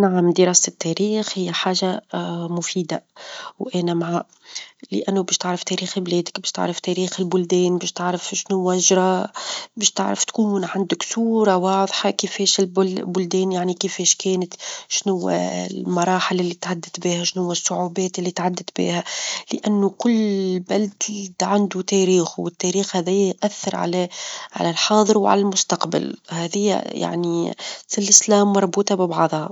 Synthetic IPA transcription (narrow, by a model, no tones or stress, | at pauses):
naʕamd̪ɪɾɑːsɪt̪ːæɾiːxhɪjːæħaːʒamʊfiːd̪awʔæːnæmaʕaː | lɪ̰ʔænːubɛːʃt̪ɪʕɾɑft̪ɛɾiːxblɛːd̪ɪkbɛːʃt̪ɪ̰ʕɾˤɑft̪ɛːɾiːxɪlbʊld̪ɛːnbɛːʃt̪ɪʕɾɑfʃnʊwːæʒɾˤɑːbɛːʃt̪ɪ̰ʕɾɑ̰ft̪kuːnʕand̪ʊksuːɾˤɑwɑːðˤħɑkɪfɛːʃɪlbʊbʊld̪ɛːnjaʕnikɪfɛːʃkɛːnɪt̪ʃnʊwːæ̰llmɑɾˤɑːħɪlɪlːit̪ʕad̪ːɪt̪biːhæʃnhʊwːæsˤːʊʕuːbæːt̪ɪlːit̪ʕad̪ːɪt̪bḭːhælɪʔanːʊkʊlːlbæld̪d̪ʕand̪ut̪æːɾiːxwɪt̪ːæɾiːxhæðæjːæjʔæθːɑɾˤʕa̰læʕa̰lælħɑːðˤəɾwʕa̰lælmʊst̪ɑqba̰lhæːðɪjːæ̰ja̰ʕnisɪlɪslæːmːɑɾˤbuːt̪ɑbɪbɑʕðˤhɑ